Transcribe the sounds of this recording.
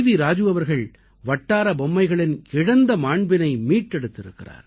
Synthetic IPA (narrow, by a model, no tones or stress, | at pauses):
ʋiɾaːd͡ʒɯʋɐʋɐɾɣɐɭ | ʋɐʈːaːɾɐbɔmːɐɪɣɐɭɪnɪɻɐnd̪ɐmaːɳbɪnɐɪmiːʈːɛɽɯt̪ːɪɾɯ̰kːɪra̰ːɾ